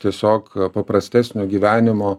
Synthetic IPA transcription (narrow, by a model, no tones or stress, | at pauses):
t̪ʲiɛsʲoːkpɐpɾɐsʲt̪ʲæːsʲnʲoːɡʲiːʋʲæːnʲɪmoː